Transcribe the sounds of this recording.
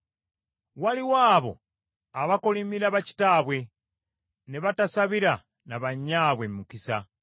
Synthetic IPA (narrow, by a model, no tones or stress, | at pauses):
waliwaːβo̞̰ | aβakolimiɾaβaci̥taːβwe̞ | ne̞βatasaβiɾa | naβaɲːaːβwemːukisa̰